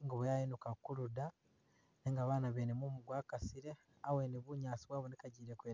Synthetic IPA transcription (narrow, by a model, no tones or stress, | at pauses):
ŋɡoβojainukakuɾuda | neŋɡaβaːnaβeːnemumuɡwaːkasiɾe̞ | awe̞ːneβuɲaːsiβwaːβo̞nikaɟiːɾekweː